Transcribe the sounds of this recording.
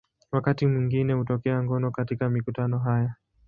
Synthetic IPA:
wakatimwiŋɡinɛhutɔkɛaŋɡɔnɔkatikamikutanɔɦaja

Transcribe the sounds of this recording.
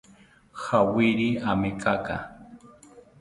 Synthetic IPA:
xawɪɾiamekʰʼaka̰

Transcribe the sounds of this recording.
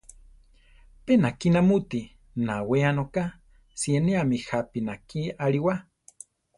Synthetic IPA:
penakinamut̪i | naweanoka | sjieneamihapinakiaɾiwa

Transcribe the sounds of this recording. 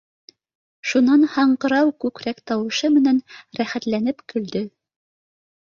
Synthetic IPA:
ʃunɑnhɑɴqɤ̆ɾɑwkʉkɾækt̪ɑwɤ̆ʃɤmɘ̆nænɾæχæt̪lænɘpkɵ̆ld̪ɵ

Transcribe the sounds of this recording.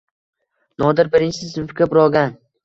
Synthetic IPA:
nɒd̪ɪɾbɪɾɪnt͡ʃɪsɪzʊfkʲabʊɾɒɡʲan

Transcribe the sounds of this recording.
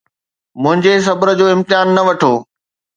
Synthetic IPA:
mʊ̃ɦɪ̃ɲd͡ʑes̬ɐbəɾə̆d͡ʑoːɪ̃mt̪ɪjaːnːɐʋɐʈʰoː

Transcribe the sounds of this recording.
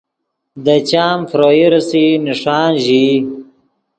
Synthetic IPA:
d̪ət͡ɕaːmfɾoːiɾɐsiniʂaːnʒi

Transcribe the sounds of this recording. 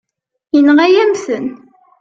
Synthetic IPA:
jənːəʁæjæmθən

